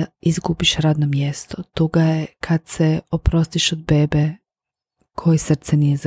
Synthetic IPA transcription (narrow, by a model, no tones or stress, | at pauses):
izɡubiʃɾaːd̪nomjest̪ot̪uɡajekʰad̪seopɾo̞st̪iʃod̪̚be̞ːbe | kʰo̞jesr̩t̪sɛnijez